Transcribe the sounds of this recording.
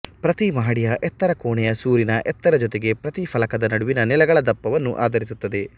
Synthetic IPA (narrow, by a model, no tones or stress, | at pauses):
pɾɐt̪imɐɦɐɽijɐʔɛt̪ːɐɾɐkoːɳɛjɐsuːɾinɐʔɛt̪ːɐɾɐd͡ʒot̪eɡe̞pɾɐt̪ifʰɐlɐkɐd̪ɐnɐɽuʋinɐnɛlɐɡɐɭɐd̪ɐpːɐʋɐnːuʔaːd̪ɐɾisut̪ːɐd̪e̞